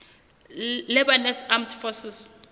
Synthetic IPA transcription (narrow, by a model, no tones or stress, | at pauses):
lɛbanɛsamtfɔsis